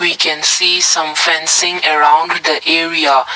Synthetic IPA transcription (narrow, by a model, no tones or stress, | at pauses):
wikʰɛ̃nsiːsãmfɛ̃nsɪ̃ŋəɹãʊ̃ndd̪əʔɛɹia